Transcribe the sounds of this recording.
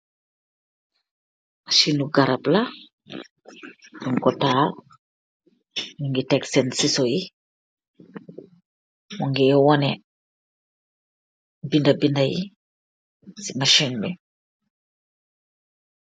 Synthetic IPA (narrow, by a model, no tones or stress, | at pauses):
maʃinuɡaɾabla | nuŋkɔtaːl | niŋɡitɛksɛnsisoji | mɔŋɡiwɔnɛ | bindabindajḭ | simaʃinmi